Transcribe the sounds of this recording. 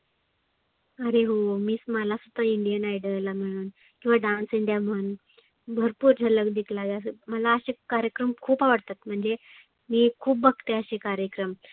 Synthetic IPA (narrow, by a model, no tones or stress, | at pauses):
əɾeɦomiːsməlasut̪ːəiɳɖijənajɽəlam̤əɽ̃uːn | kĩw̃ʋaɖãnsiɳd̪ʱjam̤ən | bʱəɾpuːɾd͡ʑʱələɡd̪ikʰlaɡaməlaəɕekaɾjəkɾəmkʰuːpaʋəɽt̪at̪m̤əɳd͡ze | miːkʰuːpbəɡt̪eəɕekaɾjəkɾəm